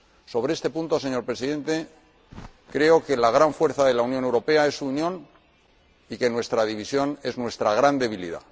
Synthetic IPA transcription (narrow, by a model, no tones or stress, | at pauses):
so̞βɾeest̪e̞punt̪o̞se̞ɲo̞ɾpɾe̞siðe̞nt̪e̞ | kɾe̞o̞ke̞laɣ̞ɾaɱfwe̞ɾθaðe̞launjone̞wɾo̞pe̞ae̞suːnjõ̞n | ike̞nwe̞st̪ɾaðiβ̞isjo̞ne̞znwe̞st̪ɾaɣ̞ɾand̪e̞βilḭða̰